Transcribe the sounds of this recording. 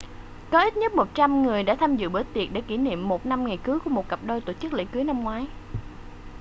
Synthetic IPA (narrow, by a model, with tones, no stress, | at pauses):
kɔ˨˦ʔi˦˥t̚ɲə˦˥t̚mo˨˩t̚t͡ɕa˧mŋɨ˨˩əjɗa̰ː˧˥t̪ʰaː˧mzɨ̰˧˨ɓə˧˩t̪i˨˩ət̚ɗe˧˩ki˧˩nḭ˧˨əmːo˨˩t̚na˧mŋa˨˩jkɨ˨˦jku˧˩əmo˨˩t̚kə˨˩p̚ɗo˧jt̪o˧˩t͡ɕɨ˦˥k̚lḛ˧˥kɨ˨˦jna˧mŋwaː˨˦j